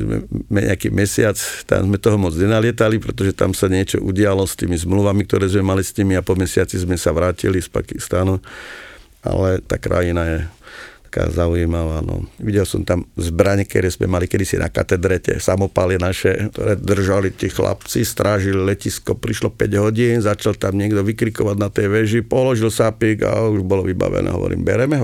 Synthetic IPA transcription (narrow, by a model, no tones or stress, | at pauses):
zmɛ̰mɛɲɛ̰akḭmɛsɪat͡st̪a̰mzmɛt̪ɔɦɔmɔd͡zɲɛnalɪɛt̪alipɾɛt̪ɔʒɛt̪a̰msaɲɪɛt͡ʃɔ̰ʔuɟɪalɔst̪iːmizmluʋamik̚t̪ɔɾɛːzmɛmalisɲimiapɔmɛsɪat͡sizmɛsaʋɾaːcḭlispa̰kist̪anu | a̰lɛt̪a̰ːkɾa̰jinajɛt̪ḁka̰ːzaujimaʋaːnɔ̰ʋiɟɛlsɔmt̪amzbɾaɲɛkɛɾɛzmɛ̰malikɛd̪isḭnʔa̰ka̰t̪ɛd̪ɾɛcɛ̰samɔpalinaʃɛt̪ɔ̰ɾɛːd̪r̩ʒalit̪iːxla̰pt͡sist̪ɾaːʒililɛciskɔpɾiʃlɔpɛɟɦɔɟiːnzat͡ʃalt̪amɲɪɛɡd̪ɔʋikɾikɔʋaɟnat̪ɛjʋɛʒipɔlɔʒilsapiɡa̰uʒbɔlɔʋiba̰ʋɛ̰nɛ̰ːɦɔ̰ʋɔ̰ɾḭːmbɛɾɛmɛɦɔ